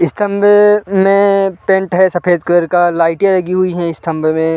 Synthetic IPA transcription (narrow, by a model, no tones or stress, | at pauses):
ɪst̪ʰə̃mbʱmẽpẽɳʈɦɛsɐpʰeːd̪kɾəɾkalaːɪʈjalɐɡiɦʊiɦɛ̃ɪst̪ʰɐ̃mbʱmẽ